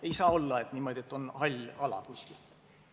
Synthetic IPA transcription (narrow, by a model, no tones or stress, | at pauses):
e̞jsɑːo̞lːɑe̞t̪niːmo̞d̪ie̞t̪ːˑo̞nhɑlʲɑlɑ̰kusʲkil